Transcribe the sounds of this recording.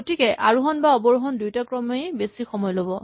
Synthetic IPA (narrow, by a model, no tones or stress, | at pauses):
otikɛʔaɹuɦɔnbaɔbɔɹuɦɔndujtakɹɔmejbesixɔmɔjlobɔ